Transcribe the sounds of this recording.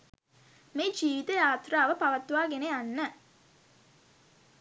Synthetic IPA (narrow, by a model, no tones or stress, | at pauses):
meːd͡ʒiːʋit̪əjaːt̪raːʋəpaʋɐt̪ːuʋaːɡeneanːə